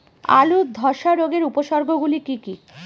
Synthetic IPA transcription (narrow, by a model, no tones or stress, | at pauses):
a̰lud̪ʱɔʃaɾoɡeɾupoʃɔɾɡʱoɡulikiki